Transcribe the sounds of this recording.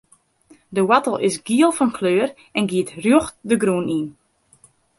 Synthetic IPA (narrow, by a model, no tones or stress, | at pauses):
dəwatəlˠɪsɡiəlˠfɔnkʰløːr | ɛnɡiətrjoxdəɡɾuənin